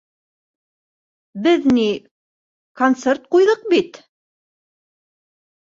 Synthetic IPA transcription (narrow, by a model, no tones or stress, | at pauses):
bɘðni | kont̪sert̪̚qujðɤq̚bit̪